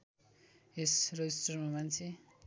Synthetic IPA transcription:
esrʌjistrʌrmamant͡sʰe

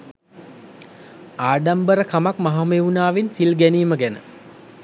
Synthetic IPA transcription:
aːɖambəɾəkʰamakmaɦameunaːʋensilɡæniːməɡænə̰

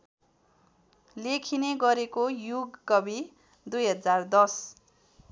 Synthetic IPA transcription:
lekʰineɡʌɾekojuɡːʌbi | d̪ujɦʌd͡zard̪ʌs

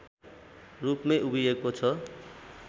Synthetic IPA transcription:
rupmeʔubijeɡkot͡sʰʌ

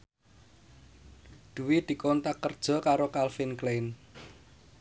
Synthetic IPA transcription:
d̪̥ṳwid̪̥i̤kɔnt̪akːərd̥ʒ̥ɔ̤kaɾokalfɪnklejn

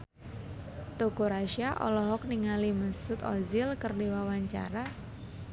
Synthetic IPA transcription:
t̪oɡoɾaʃiaʔɔ̰lɔɦɔk̚niŋaliməsʊt̪ɔ̰zɪlkərdiwawaɲt͡ʃa̰ɾa

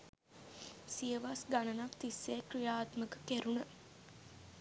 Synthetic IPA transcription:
sijəʋasɡanənakt̪isːeːkrijaːt̪məkəkeɾunə

